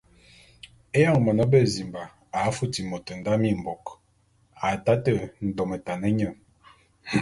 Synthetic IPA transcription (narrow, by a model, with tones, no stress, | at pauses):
e˦ja˦ŋmɔ˨nɔ˦be˦˨zi˨mba˨ | a˨˦fu˦ti˨mo˨tə˨n̩˨da˦mi˦˨m̩˨bɔ˨k | a˨ta˦tə˦˨n̩˨dɔ˨me˨ta˨nə˦ɲə˦˨ŋ